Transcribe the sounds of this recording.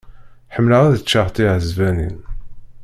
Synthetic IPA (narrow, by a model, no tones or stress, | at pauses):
ħəmːləʁæðət͡ʃːaʁt̪iʕəzvænḭn